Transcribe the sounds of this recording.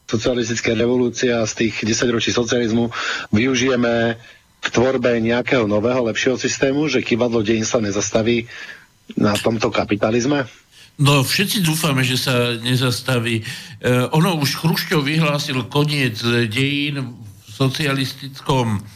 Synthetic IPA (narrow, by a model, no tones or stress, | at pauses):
sɔt͡sialist̪it͡skajɾɛʋɔluːt͡siast̪iːɣɟɛsaɟɾɔt͡ʃiːsɔt͡sializmuʋiuʒijɛmɛ | kt̪ʋɔɾbɛɲɛakɛɦɔnɔʋɛːɦɔlɛpʃɪɛɦɔsist̪ɛːmuʒɛkibad̪lɔɟɛjinsaɲɛzast̪aʋiː | nat̪ɔmt̪ɔkapit̪alizmɛ | nɔfʃɛt͡sid̪uːfamɛʒɛsaɲɛzast̪aʋiːʔɔnɔuʃxɾuʃcɔʊʋiɦlaːsilkɔɲɪɛd͡zɟɛjiːn | sɔt͡sialist̪it͡skɔm